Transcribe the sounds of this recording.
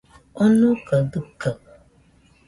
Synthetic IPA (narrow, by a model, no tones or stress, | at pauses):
onukədɨkə